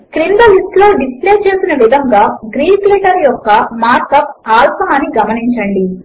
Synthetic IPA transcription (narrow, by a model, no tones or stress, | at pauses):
kɾiɳɖ̪ɐlisʈloːɖispleːt͡ʃe̞ːsinɐʋid̪ʱɐŋɡaːɡɾiːkliːʈɐɾjɔkːɐmaːɾkɐpaːlpɐɦaːnːiɡɐmɐniɲt͡ʃɐɳɖi